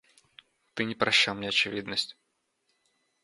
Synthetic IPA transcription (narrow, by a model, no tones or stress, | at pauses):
t̪ɨnʲɪpɾɐɕːalˠmnʲeɐt͡ɕɪvʲid̪nəsʲtʲ